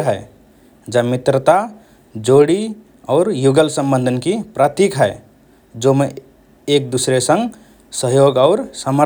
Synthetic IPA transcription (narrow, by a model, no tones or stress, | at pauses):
ɦəe | d͡ʒamit̪ɾət̪a | d͡ʒoɽi | ɔʊɾjuɡəlsə̃mbənd̪ʱənkipɾat̪ikɦɛe | d͡ʒome | ek̚d̪usɾesə̃ŋɡ | səɦjoɡaʊɾsəmə